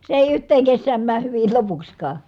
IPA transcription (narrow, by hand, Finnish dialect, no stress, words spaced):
se eˑi yhtˑeːŋ kesːæːm mæːh hyʋil lopuksʲkɑː